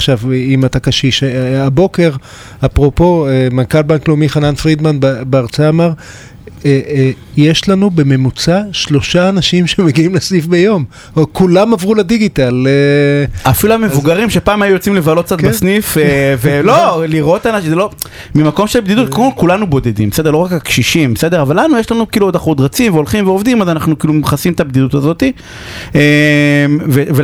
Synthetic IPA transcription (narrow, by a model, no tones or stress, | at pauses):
aχʃavimat̪akaʃiʃeabo̞ke̞ʁ | apʁopo̞emankalbanklomiχananfʁid̪manbbeaʁt͡saːmaʁ | e | jeʃlanube̞me̞mut͡saʃlo̞ʃaːnaʃimʃemeɡiimlesnifbejo̞m | kulamavʁulediɡitaleafiluamevuɡaʁimʃepaːmajujot͡simlevalot̪̚k̚t͡sat̪besnifeveloliʁʔo̞t̪anaʃzelo̞ | mimako̞mʃelbd̪id̪ut̪koakulanubo̞d̪ed̪ḭmbese̞d̪eloakakʃiʃimbese̞d̪eʁavalanujeʃlanukiːluod̪aχud̪ʁat͡simveolχimveovd̪imazanaχnukiːlumχasimt̪abd̪idut̪azo̞t̪i | emveve